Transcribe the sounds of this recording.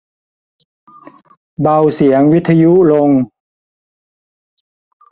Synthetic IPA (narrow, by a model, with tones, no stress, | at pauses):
ba˧wsi˨˩˦əŋwi˦˥t̪ʰːa˧ju˦˥ʔlo˧ŋ